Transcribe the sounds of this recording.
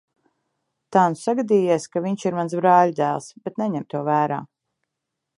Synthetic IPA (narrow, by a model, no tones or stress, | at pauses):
t̪aːnsaɡad̪iːjɛskaviɲʃiɾmansbɾɑːʎd̪æːlˠsb̥ɛt̪nɛɲɛmt̪uɔvæːɾa̰ː